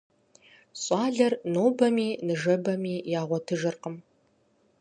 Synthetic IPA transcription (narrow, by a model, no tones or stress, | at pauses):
sʼɑːɮɐrnoːbɐmiːnɨʒɐbɐmiːjaːʁʷɔtʰɨʒɨrqəm